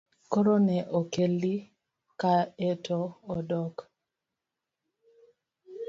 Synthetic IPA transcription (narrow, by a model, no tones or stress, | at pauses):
koɾonɛʔokeli | kaɛtʰɔːdɔk